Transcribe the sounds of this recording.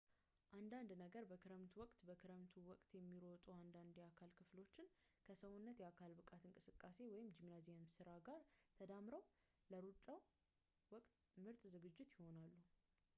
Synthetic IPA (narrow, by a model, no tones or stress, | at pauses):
ʔand̪and̪nəɡəɾbəkʰɨɾəmt̪ʰwɔkʼt̪bəkʰɨɾəmt̪ʰuwɔkʼt̪jɛmːiɾot̪ʼuand̪and̪iakʰalkʰɨflo̞t͡ʃːɪn | kʰəsəwunːət̪jɛakʰalbɨkʼat̪ɨŋkʼɨsɨkʼːase̞wɔjɪmd͡ʒimnazemsɨɾaɡaɾt̪ʰəd̪amɾəw | ləɾut͡ʃʼaw | wɔkʼt̪ | mɨɾt̪ʼzɨɡɨd͡ʒːɪt̪jɪho̞nalːu